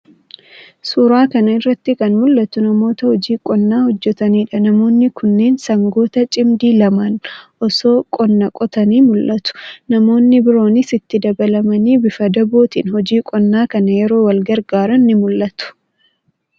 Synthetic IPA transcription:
suːɾaːkɐnɐɪrːɐt̪ːɪkɐnmʊlːɐt̪ʊnɐmo̞ːt̪ɐhɔd͡ʒiːkʼɔnːaːhɔd͡ʒːɛt̪ɐniːᶑɐnɐmo̞ːnːɪkʊnːe̞ːnsɐŋɡo̞ːt̪ɐt͡ʃʼɪmd̪iːlɐmɐnʔɔso̞ːkʼɔnːɐkʼɔt̪ɐniːmʊlʔɐt̪ʊ̥nɐmo̞ːnːɪbɪɾo̞ːnɪsɪt̪ːɪd̪ɐbɐlɐmɐniːbɪfɐd̪ɐboːt̪ḭːnhɔd͡ʒiːkʼɔnːaːkɐnɐjɛɾo̞ːwɐlɡɐɾɡaːɾɐnːɪmʊlːɐt̪ʊ̥

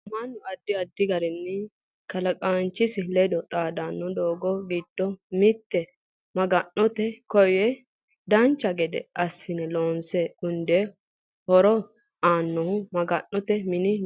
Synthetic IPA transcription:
mɐnːʊɐd̪ːɪɐd̪ːɪɡɐɾɛnːɪ | kɐlɐkʼaːnt͡ʃːɪsɪlɛd̪ɔt̪ʼaːd̪anːɔd̪oːɡɔɡid̪̥ːɔmɪt̪ːɛ | mɐɡɐnːɔt̪ɛkɔjɛ | d̪ɐnt͡ʃːɐɡɛd̪ɛ̰ɐsːɪnɛloːnseːʊnd̪ɛ | hɔɾɔ | aːnːɔhʊmɐɡɐnːɔt̪ɛmɪnɪ

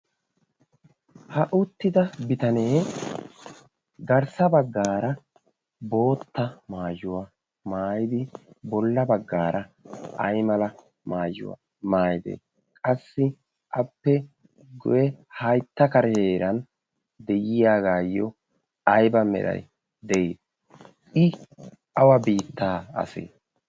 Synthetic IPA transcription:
hɐʔʊt̪ːɪd̪ɐbɪt̪ɐne̞ː | ɡɐɾsɐbɐɡːaːɾɐ | bo̞ːt̪ːɐmaːjʊwɐ | maːjɪd̪ɪbɔlːɐbɐɡːaːɾɐɐjmɐlɐ | maːjʊ̰wa̰ | maːjɪd̪ḛː | kʼɐsːɪ | ʔɐpːɛ | ɡʊjɛhɐjt̪ːɐkɐɾheːɾɐn | d̪ɛjɪjaːɡaːjːɔ | ɐjbɐmɛ̰ɾɐ̰j | d̪ɛid̪ | ɪ | ɐwɐbiːt̪ːaːɐ̰sḛː

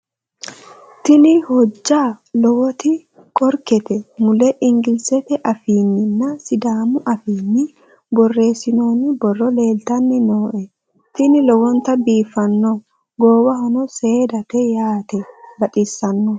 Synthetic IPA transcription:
t̪ɪnɪhɔd͡ʒːaːlɔwɔt̪ɪ | kʼɔɾkɛt̪ɛmʊlɛʔɪŋɡɪlsɛt̪ɛʔɐfiːnːɪnːɐsɪd̪aːmʊʔɐfiːnːɪ | bɔrːe̞ːsɪnoːnːɪbɔrːɔle̞ːlt̪ɐnːɪnoːʔɛ | t̪ɪnɪlɔwɔnt̪ɐbiːfːɐnːɔ | ɡoːwɐhɔnɔseːd̪ɐt̪ɛjaːt̪ɛbɐt̪ʼisːɐnːɔ

